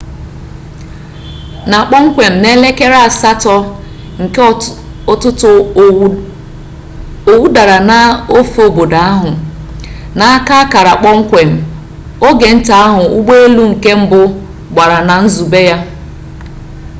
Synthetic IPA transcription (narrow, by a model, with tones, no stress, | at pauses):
na˨k͡pɔ˦ŋ̩˦kʷe˨m̩˨ne˦le˦ke˦ɾa˦a˨sa˦tɔ˦ | ŋ̩˨k | ɔ˦tʊ˦tʊ˨ | o˨wu˦da˨ɾa˨na˨o˦fo˦bo˨da˨a˦ɦʊ˨ | na˨a˦ka˦ka˨ɾa˨k͡pɔ˦ŋ̩˦kʷe˨m̩˨ | o˦ɡe˨n̩˦ta˨a˦ɦʊ˨u˦ɡ͡be˦e˦lu˦ŋ̩˨ke˦m̩˦bʊ˦ | ɡ͡ba˨ɾa˨na˨n̩˦zu˨be˦ja˦